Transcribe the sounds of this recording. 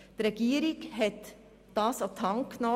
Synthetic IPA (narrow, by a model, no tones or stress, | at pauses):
t̪ɾɛɡ̥iəɾɪkɦɛt̪ | d̥ɑːsɔt̪ʰhɑŋknɔ